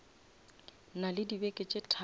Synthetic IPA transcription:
nalɪdibekʼɪt͡ʃʼetʰa

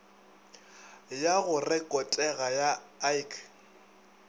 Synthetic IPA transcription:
jaɣʊrɛkʼɔtʼɛɣajaajkʰ

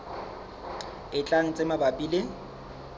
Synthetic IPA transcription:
ɪt͡ɬʼaŋ̩t͡sʼemabapʼilɪ

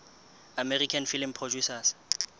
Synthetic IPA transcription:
amɛrikʰanfilimpʰrɔd͡ʒusas

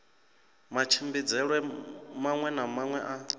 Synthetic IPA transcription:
mat͡ʃʰimbid͡zɛɺwɛmaŋwɛnamaŋwɛʔa

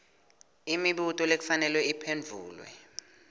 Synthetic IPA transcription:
imiɓutʼɔlek̬u̥fanɛlwɛipʰend͡vʱṵːlwɛ̰

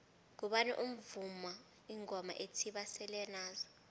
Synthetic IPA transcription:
k̬uɓanɛ̰ʔum̩vuma | iŋɔma̰ʔetʰiɓasɛlɛnaːzɔ

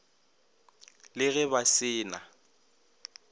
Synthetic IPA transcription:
lɪɣɛbasɪːna

